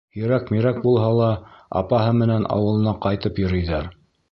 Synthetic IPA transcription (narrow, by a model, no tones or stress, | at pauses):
jɵ̆ɾækmiɾæk̚bulˠɦɑlˠɑɑ̰pɑɦɤmɘ̆nænɑ̰wɤ̆lˠɤ̆nɑqɑjt̪ɤpjŏɾɤ̆jðɑɾ